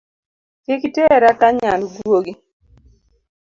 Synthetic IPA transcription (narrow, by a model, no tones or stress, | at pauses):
kɪkiteɾakaɲanɡwoɡi